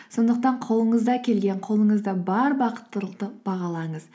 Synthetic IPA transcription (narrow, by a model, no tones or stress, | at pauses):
so̞nd̪əq̚t̪ɑɴqʰo̞lˠəɴəzd̪ɑkʲʰe̞lɡʲeɴqʰo̞lˠəɴəzd̪ɑbɑɾbɑqə̥t̪ːəlˠəq̚t̪əb̥ɑʁɑlˠɑɴəz̥